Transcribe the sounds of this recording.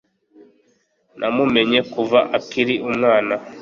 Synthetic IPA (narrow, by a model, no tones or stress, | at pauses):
nʔamume̞ɲe̞kuvaʔakiɾiʔumŋaːna